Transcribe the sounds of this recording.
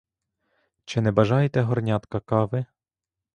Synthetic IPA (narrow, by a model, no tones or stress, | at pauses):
t͡ʃɪnɛbɐʒɑjet̪ɛɦɔrnʲɑt̪kɐkɑʋɪ